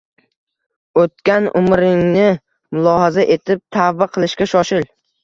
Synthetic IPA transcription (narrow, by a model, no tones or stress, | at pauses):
ot̪̚kʲanʊ̰mɾɪŋnɪ | mʊlˠɒhazaʔe̞t̪ʰɪp̚t̪ʰavːaqʰɨlˠɪʃkʲaʃɒʃɪl